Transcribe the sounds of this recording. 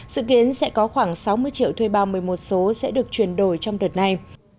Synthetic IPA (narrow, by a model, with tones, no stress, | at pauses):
zɨ̰˧˨ki˨˦ənsɛ̰˧˥kɔ˨˦xwaː˧˩ŋsa˨˦wmɨ˧əjt͡ɕḭ˧˨əwt̪ʰwe˧jɓaː˧˩wmɨ˨˩əjmo˨˩t̚so˨˦sɛ̰˧˥ɗɨ˨˩ək̚t͡ɕwi˨˩ənɗo˧˩jt͡ɕɔ˧wŋ͡mɗə˨˩t̚na˧j